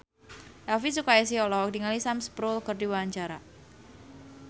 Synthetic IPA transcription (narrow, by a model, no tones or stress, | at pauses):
ʔɛlfisukais̬iɔlɔɔk̚diŋalisamspɾulkərdiwaaɲt͡ʃaɾa